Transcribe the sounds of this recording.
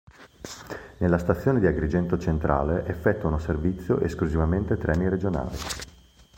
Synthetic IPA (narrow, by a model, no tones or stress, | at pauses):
nelːast̪at̪sːjoːned̪iaɡɾid͡ʒɛnt̪ot͡ʃent̪ɾa̰ːleʔefːɛt̪ːwanoservit̪sːjo̰ʔḛskluzivament̪et̪ɾʔɛːniɾed͡ʒona̰ːli